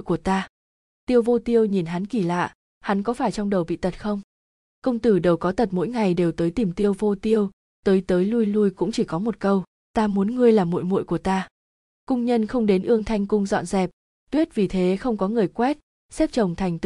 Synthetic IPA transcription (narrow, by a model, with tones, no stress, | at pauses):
jku˧˩ət̪aː˧ | t̪i˧əwvo˧t̪i˧əwɲi˨˩nɦa˨˦nki˧˩la̰ː˧˨ | ha˨˦nkɔ˨˦faː˧˩jt͡ɕɔ˧wŋ͡mɗə˨˩wɓḭ˧˨t̪ə˨˩t̚xə˧wŋ͡m | kə˧wŋ͡mt̪ɨ˧˩ɗə˨˩wkɔ˨˦t̪ə˨˩t̚mo̰˧˥jŋa˨˩jɗe˨˩wt̪əː˨˦jt̪i˨˩mt̪i˧əwvo˧t̪i˧əw | t̪əː˨˦jt̪əː˨˦jlu˧jlu˧jkʊ̰˧˥ŋ͡mt͡ɕi˧˩kɔ˨˦mo˨˩t̚kə˧w | t̪aː˧mu˨˦ənŋɨ˧əjlaː˨˩mːo̰˧˨jmṵ˧˨jku˧˩ət̪aː˧ | kʊ˧ŋ͡mɲə˧nxə˧wŋ͡mɗe˨˦nʔɨ˧əŋt̪ʰa˧jŋ̟kʊ˧ŋ͡mzɔ̰˧˨nzɛ˨˩p̚ | t̪wi˦˥ət̚vi˨˩t̪ʰe˨˦xə˧wŋ͡mkɔ˨˦ŋɨ˨˩əjkwɛ˦˥t̚ | sɛ˦˥p̚t͡ɕə˨˩wŋ͡mt̪ʰa˨˩jŋ̟t̪